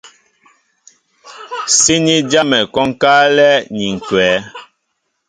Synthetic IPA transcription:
si˦ɲi˦d͡ʒa˦mɛ˨kɔ˦ŋ̩˦ka˦lɛ˦ɲi˨ŋ̩˨kwɛː˨˦

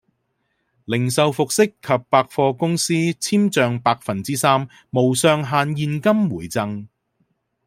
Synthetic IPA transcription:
lɪ˨˩ŋsɐ˨wfʊ˨k̚sɪ˥kʰːɐ˨p̚ːaː˧k̚fɔː˧kʊ˥ŋsiː˥t͡sʰiː˥mt͡sœː˨˧ŋpaː˧k̚fɐ˨nt͡siː˥saː˥mː | o˨˩wsœː˨˧ŋɦaː˨˧njiː˨˧nkɐ˥mwuː˨˩jt͡sɐ˧ŋ

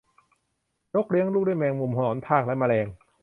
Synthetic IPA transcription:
jo˦˥˩k̚li˧˦˥əŋluː˥˩k̚duː˥˩˨mɛː˧ŋmu˧˩mhʰɔ˧nɔː˩˦np̪ʰaː˥˩k̚la˧˦˥ma˧lɛː˧ŋ

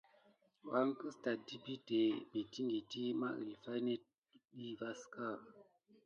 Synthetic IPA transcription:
wa˦ŋkɨ˦sta˨di˦bi˦te˨be˨ti˦ŋɡi˨ti˦ma̰˦ʔḭ˨lfa˦ne˦t̚ | ɗi˦va˦ska˦˨

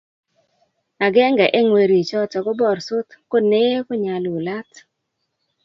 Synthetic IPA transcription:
a˨ɡɛ˦ŋɡɛ˨ʔe˦ŋwe˨ɾi˨t͡ʃɔ˦t͡ʃɔ˨kɔ˦bɔ˨ɾsʊ˦t̪ko˦ne˦kʊ˦ɲa˨lu˨la˦t

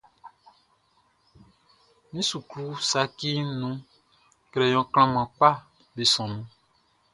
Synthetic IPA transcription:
nĩ˦su˨kɾu˦sa˨ki˦nũ˦ | kɾɛ˨jɔ̃˨kl̃ã˦mã˨k͡pa˦˨ | be˨sɔ̃˨nũ˦

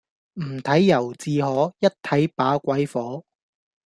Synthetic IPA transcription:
m̩˨˩t̪ʰɐ˨˥jːɐ˨˩wt͡siː˨˧ɦɔː˨˥jɐ˥t̚t̪ʰɐ˨˥jpaː˨˥kʷɐ˨˥jfɔː˨˥

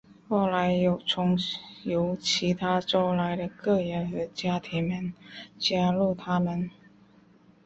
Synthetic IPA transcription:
xo˥˩ʊla˧˦˥ɪjo˧˩ʊt͡sʰʊ˧˥ŋjo˧˥ʊt͡ɕʰi˧˥t̪ʰa˥ʈ͡ʂo˥ʊla˧˥ɪd̪ə˧kɤ˥˩ɻə˧˥nxɤ˧˥t͡ɕja˥t̪ʰi˧˥ŋmə˧˥nt͡ɕja˥lu˥˩t̪ʰa˥mə˨n

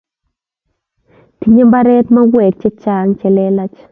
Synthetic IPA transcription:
ti˨˦ɲe˦mba˦ɾɛ˦tma˦ɡwɛ˨k̚t͡ʃɛ˦t͡ʃa˦˨ŋt͡ʃɛ˨lɛ˦la˦t͡ʃ

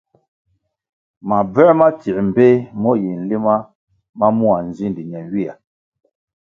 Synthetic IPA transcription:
ma˨bɛ˦ma˦ti˨m̩˨be˦mɔ˦ji˨n̩˨li˦ma˦ | ma˦mu˦a˨n̩˨zi˦n˨di˨ɲɛ˨nɥi˦a˨

